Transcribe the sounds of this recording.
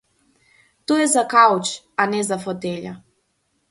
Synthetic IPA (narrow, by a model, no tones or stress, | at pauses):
t̪ujɛzakawt͡ʃ | anɛzafɔt̪ɛʎa̰